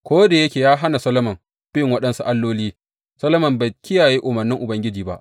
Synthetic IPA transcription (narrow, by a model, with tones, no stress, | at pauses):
kʷoː˦da˨jɐ˦kʲeː˨jaː˦ɦa˦na˨sɐ˦lɐ˦mɐ˨m | b̥ɪ˦ŋwɐ˦ɗɐ˦nsu˨ʔa˦lːoː˦liː˦ | sɐ˦lɐ˦mɐ˨mba˨jkʲɪ˦jaː˨ji˦ʔʊ˨mɐ˨rnːɪ˦ŋʔʊ˨bɐ˦ŋɡʲɪ˦d͡ʒiː˨ba̰˦ʔ